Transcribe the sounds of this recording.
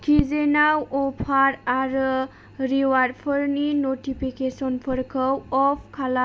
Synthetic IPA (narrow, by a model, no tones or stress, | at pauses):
kʰizenawɔpʰaɾaɾ | ɾiwaɾpʰɔɾninotipʰikesɔnpʰɔɾkʰəwɔpʰkʰala